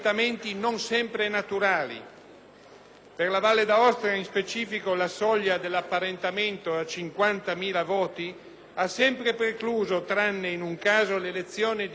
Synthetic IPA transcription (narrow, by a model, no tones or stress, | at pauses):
t̪ament̪inonsɛmpɾenat̪uɾaːlḭ | perlavalːed̪aɔst̪ɾeainspet͡ʃiːfikolasɔʎːad̪elːapːaɾent̪ament̪oat͡ʃiŋkwant̪amiːlavɔːt̪i | asːɛmpɾepɾekluːzot̪ɾanːeinuŋkaːzolelet̪sːjoːned̪